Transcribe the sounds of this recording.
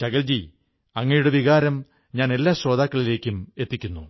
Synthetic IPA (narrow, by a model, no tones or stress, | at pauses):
t͡ɕɐɣɐld͡ʑi | ɐŋːɐjuɽeʋiɣaːɾɐm | ɲaːne̞lːaːɕro̞ːd̪aːkːɐɭile̞ːkʲːume̞t̪ːikʲːunːu